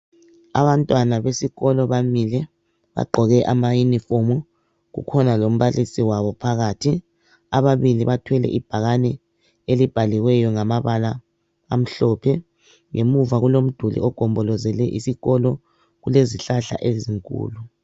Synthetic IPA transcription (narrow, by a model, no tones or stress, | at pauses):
a̰βantʼwanaβesiɣɔlɔβamilɛ | βa̰ɡ͡ǃʱɔɣɛʔamajunifomu | ɣṵkʰɔnalom̩βalisiwaβɔpʰaɣaːtʰi | aβaβiliβatʰwɛlɛ̰ʔib̥ʱaɣanɛ | elib̥ʱaliɣwɛjɔŋamaβalaː | m̩ɬɔpʰɛ | ŋʔemuvaɣulom̩d̥ʱulḭɔɡ̥ʱɔmbʱɔlɔzɛlɛʔisiɣɔlɔ | ɣuleziɬaɬa̰ʔeziŋkʼṵːlu